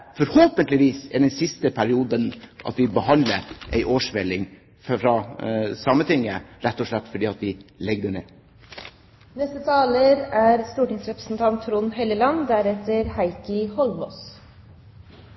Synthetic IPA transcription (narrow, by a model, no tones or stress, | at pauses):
fɔɾhoːpənt̪lɪʋiːsɛd̪ɛnsɪst̪əpʰæɾɪuːd̪ənʔɑ̰t̪ʋɪbəhɑnd̪ləɾʔæ̰ɪʔoːʂʋɛlɪŋ | fɾɑsɑmːət̪ʰɪŋːəɾɛt̪ːɔʂɭɛt̪ːfɔɖiːɑt̪d̪ɪlɛɡ̚d̪əɳḛː | nɛst̪ət̪ʰɑːləɾæɾst̪uːʈɪŋsɾɛpɾə̥sn̩t̪ʰɑnt̪ʰːɾuːnhɛləlɑnd̪æɾɛt̪əɾhæɪkəhɔlmɔs